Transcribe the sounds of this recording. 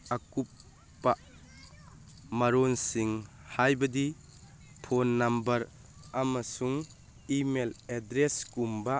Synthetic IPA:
akup̚ː | a | mɐɾonsiŋ | hajbɐdi | pʰonːɐmbɐɾ | amɐsuŋ | imeledɾeskumba

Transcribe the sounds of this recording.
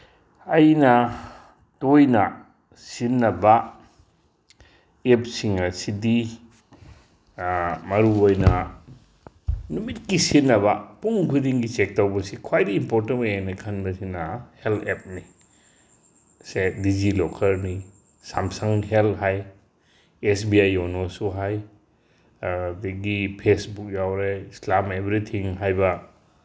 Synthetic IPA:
ɐjnɐ | tojnɐ | sinːɐbɐ | ep̚siŋɐsidi | mɐɾuojnɐ | numit̚kisinːɐbɐpuŋkʰudiŋɡit͡ʃek̚tawbɐsikʰwajdiimpoɾtenojanɐkʰɐnbɐsinɐheltep̚ni | sedid͡ʒilɔkʰɐɾni | samsaŋɦelɦaj | es̬biajonosuɦaj | deɡipʰesbuk̚jawɾeislamebɾit̪ʰiŋɦajbɐ

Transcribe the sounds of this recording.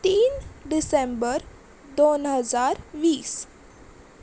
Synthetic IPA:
ʈĩːnɖɪsẽmbəɾ | d̪oːnɦəzaːɾʋiːs

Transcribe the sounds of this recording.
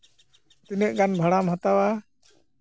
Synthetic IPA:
t̪inəʔ̚ɡanbʱaɽamhat̪awa

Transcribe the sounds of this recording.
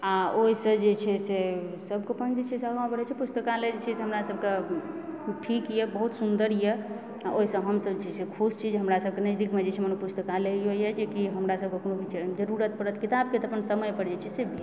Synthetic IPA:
aoisə̃d͡ʒet͡ʃʰɛsesəbkepənd͡ʒet͡ʃʰɛseəɡaw̃pəɾɛt͡ʃʰɛpust̪əkaled͡ʒet͡ʃʰɛseɦəmɾasəb̚ke | ʈʰikjɛbəɦut̪sund̪əɾjɛ | aʔoɦisə̃ɦəmsəbt͡ʃʰɛsekʰust͡ʃʰid͡ʒɦəmɾasəb̚kenɛd̪ikʰmed͡ʒet͡ʃʰɛmənopust̪əkaleɦojjɛd͡ʒekiɦəmɾasəb̚kekonobʱit͡ʃd͡ʒəɾuɾət̪̚pəɾət̪kit̪ab̚ket̪əpənsəməjpəɽd͡ʒet͡ʃʰɛsebʱi

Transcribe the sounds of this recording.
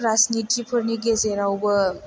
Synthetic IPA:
ɾaznitʰipʰɯɾniɡezeɾawbə

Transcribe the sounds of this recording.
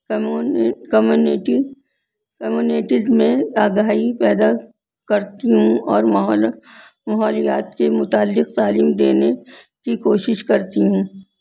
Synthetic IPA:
kɐmjuːnʈi | kɐmjuːneːʈɪzmẽaːɡaːɦipɛːd̪a | kɐɾt̪iɦũɔːɾl | mɐɦɔːlijaːt̪kemʊt̪aːlːɪqt̪aːliːmd̪eːne | kikoːʃɪʃkɐɾt̪iɦũː

